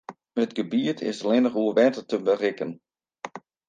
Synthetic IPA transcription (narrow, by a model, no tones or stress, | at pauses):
ətɡəbiətʰɪ̰səlɪnəχuʋɛːtətəbərɪkən